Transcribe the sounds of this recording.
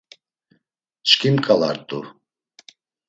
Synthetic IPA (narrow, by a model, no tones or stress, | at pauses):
t͡ʃkʰʲimkʼala̰rt̪ʼu